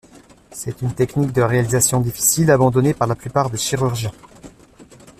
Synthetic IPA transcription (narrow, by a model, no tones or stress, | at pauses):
sɛt̪ynt̪ɛknik̚d̪əʁealizasjɔ̃d̪ifi̥silabɑ̃d̪ɔnepaʁlaplypaʁd̪eʃiʁyʁʒjɛ̃